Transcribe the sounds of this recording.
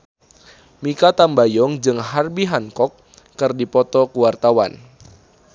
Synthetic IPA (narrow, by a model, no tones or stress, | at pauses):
mikat̪ambajɔŋd͡ʒɨŋɦarbiɦaŋkɔkː | ɨrdipɔt̪ɔkuwart̪awa̰n